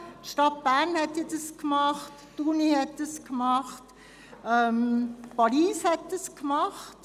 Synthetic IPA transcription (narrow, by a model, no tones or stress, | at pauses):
ʃtɑt̚b̥æʁnhɛtɪdɑskmɑχtːunihɛt̚dɑskmɑχt | ɛmpɑɾiːshɛt̚d̥əskmɑχt